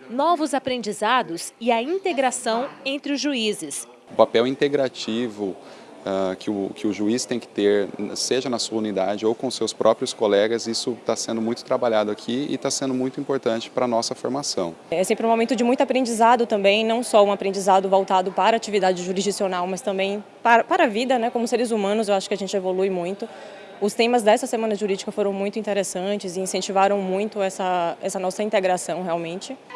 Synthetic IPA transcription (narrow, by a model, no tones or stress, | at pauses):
nɔvʊzapɾẽnd͡ʒizad̪ʊsɪɐĩnt̪eɡɾasɐ̃w̃ẽnt̪ɾɪʊzʒuizɪs | ʊpapɛwĩnt̪eɡɾat͡ʃivʊ | ɛkʰɪʊkɪʊʒuist̪ẽj̃kɪ̥t̪eɾseʒɐnɐsolũnid̪ad͡ʒɪowkõʊsewspɾʔɔpɾiʊskolɛɡɐzisʊt̪asẽnd̪ʊmũj̃t̪ʊt̪ɾabaʎad̪ʊakʰiɪ̰t̪asẽnd̪ʊmũj̃t̪ʊĩmpoɾt̪ɐ̃nt͡ʃɪ̥pɾɐnɔsɐfoɾmasɐ̰̃w̃ɛsẽmpɾɪ̃ũmomẽnt̪ʊd͡ʒɪmũj̃t̪ʊapɾẽd͡ʒizad̪ʊt̪ɐ̃mbẽj̃nɐ̃w̃sɔũapɾẽnd͡ʒizad̪ʊvowt̪ad̪ʊpaɾɐaːt͡ʃivid̪ad͡ʒɪʒuɾizd͡ʒisionawmɐst̪ɐ̃mbẽj̃ | paɾɐpaɾɐvid̪ɐnɛkõmʊseɾɪzumɐ̃nʊzewaʃʊ̥kɪɐʒẽnt͡ʃɪevolujmũj̃t̪ʊ | ʊst̪ẽmɐzd̪ɛsɐsemɐ̃nɐʒuɾid͡ʒikɐfoɾɐ̃w̃mũj̃t̪ʊĩnt̪eɾesɐ̃t͡ʃɪzɪĩsẽnt͡ʃivaɾɐ̃w̃mũj̃t̪ʊɛsɐɛsɐnɔsɐĩnt̪eɡɾasɐ̃w̃heawmẽnt͡ʃɪ